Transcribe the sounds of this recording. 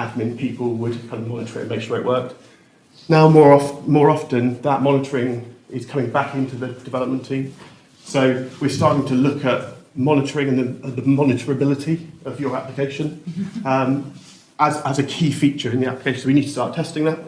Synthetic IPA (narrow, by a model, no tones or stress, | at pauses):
ad̚mɪ̃npʰiˑpəlˠwəd̚kʰãɪ̃ndəmɒnɪtʰə̥ɹɪʔə̃nmeɪkʃɔɹɪ̰ʔwɜˑk̚ | naʊəmɔːɹɒfmɔːɹɒftə̃nðəʔmɒnɪtʰəɹɪ̃ŋʔɪz̥kʰʌ̃mɪ̃ŋbakɪ̃ntʰəðəd̥ɪvɛləp̚mə̃ntʰĩ | soʊwɪɹstɑɹɾɪ̃ŋtʰəlʊkʰəʔmɒnɪtʰəɹɪ̃ŋə̃nðəə̃ðəmɒnɪtʰəɹəbɪlɪtʰiəvjə˞aplɪkʰeɪʃə̃nʌ̃m | ʔəzəzəkʰiːfiˑt͡ʃə˞ɪ̃nðiæplɪkʰeɪʃn̩səʊwinid̚tʰə̥stɑˑtʰɛstɪ̃ŋðəʔ̚